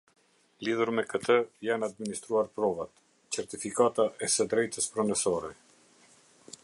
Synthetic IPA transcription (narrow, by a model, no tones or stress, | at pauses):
liðuɾmɛkət̪əjanad̪̚minist̪ɾuaɾpɾɔvat̪ | t͡sɛɾt̪ifikat̪aʔɛsɛd̪ɾɛjt̪əspɾɔnəsɔɾɛ